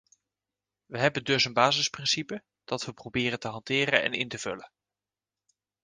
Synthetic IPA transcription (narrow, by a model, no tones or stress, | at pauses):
ʋəɦɛbəndɵsənbaːzɪsprɪnsipə | d̥ɑtʋəprobɪːrəntəɦɑntɪːrənɛ̰nɪ̰ntəv̥ɵ̰lən